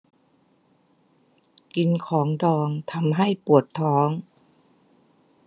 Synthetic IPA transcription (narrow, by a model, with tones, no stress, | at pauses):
ki˧˦nkʰɔː˩˦ŋdɔː˧˩ŋt̪ʰa˧˦mɦa˥˩jpu˨˩ət̪ʰːɔː˩˦ŋ